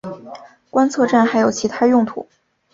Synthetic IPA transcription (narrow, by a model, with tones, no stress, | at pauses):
kwa˥nt͡sʰɤ˥˧ʈ͡ʂa˥˩nxa˧˥ɪjo˨˩ʊt͡ɕʰi˧˥t̪ʰa˥jʊ˥˧ŋt̪ʰṵ˨˩˦